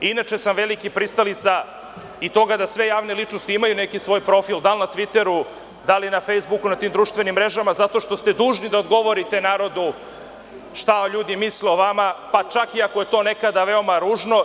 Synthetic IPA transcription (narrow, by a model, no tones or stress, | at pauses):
inat͡ʃesamʋelikipɾist̪alit̪sa | it̪o̞ɡad̪asʋe̞jaːʋnelit͡ʃnost̪iimajune̞kisʋo̞jpɾo̞fild̪alnat̪ʋit̪e̞ɾu | d̪alinafejzbukunat̪iːmd̪ɾuʃt̪ʋenimːɾe̞ʒamazat̪o̞ʃt̪o̞st̪e̞d̪uːʒnid̪ao̞d̪ɡo̞ʋo̞ɾit̪e̞naːɾo̞d̪u | ʃt̪aoʎuːd̪imisleoʋamapat͡ʃakiakoje̞t̪o̞ne̞kad̪aʋeo̞maɾuːʒno̞